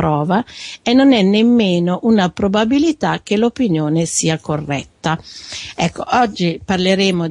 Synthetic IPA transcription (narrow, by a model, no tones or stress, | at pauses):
ɾɔːvaenːonɛnːemːeːnoʔunapɾobabilit̪ak̟ːelopinjoːnesiːakorːɛ̰t̪ːaɛkːo̰ʔɔd͡ʒːiparleɾeːmo